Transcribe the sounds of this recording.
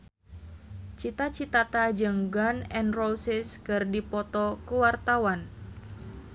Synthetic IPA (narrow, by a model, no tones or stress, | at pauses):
t͡ʃit̪at͡ʃit̪at̪ad͡ʒɨŋɡanɛnrosɪskɨrdipɔt̪ɔkuwart̪awan